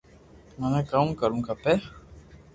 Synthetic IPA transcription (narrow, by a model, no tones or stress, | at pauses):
manakaũkaluŋkapɛ